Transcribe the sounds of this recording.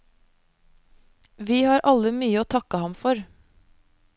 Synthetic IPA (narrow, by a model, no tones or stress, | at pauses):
ʋiːhɑːɾʔɑləmyːəoːt̪ʰɑkəhɑmfɔɾ